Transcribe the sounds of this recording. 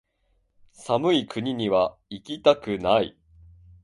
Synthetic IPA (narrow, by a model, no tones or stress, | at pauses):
samɯ̟ikɯ̟ɲ̟iɲ̟iβaikʲit̪akɯ̟naḭ